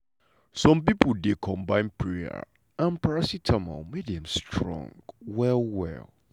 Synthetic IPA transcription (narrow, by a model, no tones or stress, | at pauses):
sɔ̃mpipodekʰɔ̃mbãɪ̃npʰɹea̰ | ãnpʰaɹasitʰãma̰medɛ̃mstʰɹɔ̰̃ŋɡwɛlwɛ̰l